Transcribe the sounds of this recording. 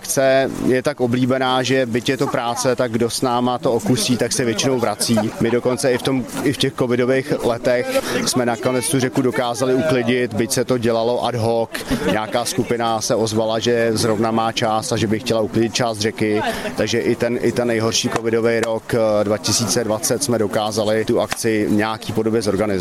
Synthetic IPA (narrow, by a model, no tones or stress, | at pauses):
akt͡sɛjɛt̪akobliːbɛnaːʒɛbɪcjɛt̪o̞pɾaːt͡sɛt̪aɡ̚ɡdo̞snaːmat̪ookusiːt̪aksɛvjɛt͡ʃɪno̞wvɾat͡siːmɪdo̞ko̞nt͡sɛɪft̪o̞mɪfcɛxkovɪdovejxlɛt̪ɛxsmɛnako̞nɛt͡st̪urɛkudo̞kaːzalɪuklɪɟɪt̪bɪcsɛt̪o̞ɟɛlalo̞ʔa̰dɦokɲɛakaːskupɪnasɛo̞zvalaʒɛzɾo̞vnamaːt͡ʃaːst̪aʒɛbɪxcɛlauklɪɟɪt̪̚t͡ʃaːst̪rɛkɪt̪aɡʒɛʔɪt̪ɛnʔɪt̪ɛnːɛjɦo̞rʃiːkovɪdo̞vɛjɾo̞kdvacɪsiːt͡sɛdvat͡sɛt̪smɛdo̞kaːzalɪt̪uakt͡sɪɲɛakiːpodo̞bjɛzo̞ɾɡanɪz